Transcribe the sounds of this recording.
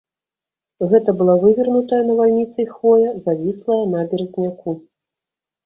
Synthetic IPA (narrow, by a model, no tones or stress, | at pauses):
ɣɛt̪ɐbɨlˠavɨvʲirnut̪ɐjɐnɐvalʲnʲit̪sɐjxvɔjɛzavʲislˠɐjɐnabʲɛɾzʲnʲaku